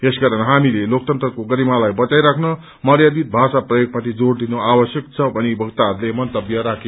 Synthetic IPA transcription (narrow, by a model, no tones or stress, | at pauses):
esɡʌɾʌnɦamilelok̚t̪ʌnt̪rʌkoɡʌɾimalajbʌt͡sajɾakʰnʌ | mʌɾjad̪it̪̚bʱasaprʌjoɡ̚mat̪ʰid͡zoɽd̪inoabʌsjʌk̚t͡sʰʌbʌnibʱʌɡt̪aɦʌɾulemʌnt̪ʌbjʌɾakʰe